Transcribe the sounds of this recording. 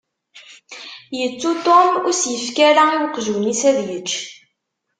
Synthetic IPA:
jət͡sːut̪omʊɾsjəfkaɾaiwəqːʒuwnisæðjət͡ʃː

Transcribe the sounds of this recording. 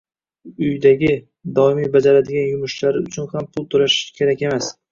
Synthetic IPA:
ʊjd̪aɡʲɪ | d̪ɒɪmibad͡ʒaɾad̪ɪɡʲanjʊmʊʃlaɾɪʊt͡ʃʰʊnhampʰʊlˠt̪ʰʊɾaʃɪ̥kʲʰe̞ɾakʲe̞mas

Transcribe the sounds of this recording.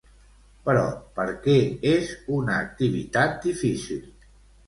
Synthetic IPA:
pəɾɔ̰pəɾkɛezunəːk̚t̪iβḭt̪at̪̚d̪ifisilˠ

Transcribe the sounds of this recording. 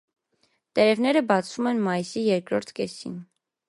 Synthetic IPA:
t̪ɛɾɛvnɛɾəbɑt͡sʰvumɛnmɑjisijɛɾkɾɔɾt̪ʰkɛsḭn

